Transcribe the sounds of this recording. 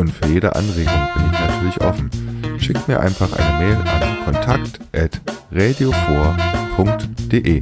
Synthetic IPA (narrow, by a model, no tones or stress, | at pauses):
ʔʊntfyːɐjeːdə̰ʔa̰nʁeːɡʊŋb̥ɪnɪçnatʰyːɐlɪçʔɔ̰fn̩ʃɪkəmiːɐʔa̰ɪnfaχʔa̰ɪnəmɛːlʔa̰nkʰɔntʰakt | ʔɛtʁeːdeofoːɐpʰʊŋktd̥eʔeː